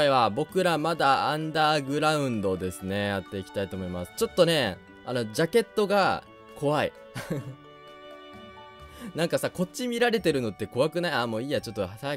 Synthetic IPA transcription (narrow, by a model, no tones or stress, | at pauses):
iβabo̞kɯ̟ɾamad̪aãnd̪aːɡɯ̟ɾaɯ̟̃nd̪o̞d̪e̞sɨne̞jat̪ːe̞ikʲi̥t̪ait̪o̞ːmo̞imasɨ̥t͡ɕo̞t̪ːo̞ne̞ | ano̞d͡ʑake̞t̪ːo̞ɡa | kʰo̞βaḭ | nãŋkasako̞t͡ɕːimʲiɾaɾe̞t̪e̞ɾɯ̟no̞t̪ːe̞ko̞βakɯ̟naiamoːiːjat͡ɕo̞t̪ːoasa